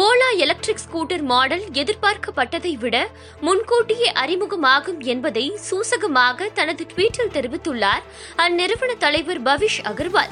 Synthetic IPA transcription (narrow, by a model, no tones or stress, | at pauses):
poːlaːɛlɐk̚ʈɾɪkskuːʈːɐɾmaːɽɐlɛðɪɾpaːɾkɐpːɐʈːɐðɐɪʋɪɽɐ | mʊnkoːʈːɪjeʔɐɾɪmʊɣɐmaːɣɯmɛnbɐðɐɪsuːsɐɣɐmaːɣɐt̪ɐnɐðɯʈʋiːʈːɪlt̪ɛɾɪʋɪt̪ːɯɭːaːɾ | ɐnːɪɾɐʋɐɳɐt̪ɐlɐɪʋɐɾbɐʋɪʂɐɣɐɾʋa̰ːl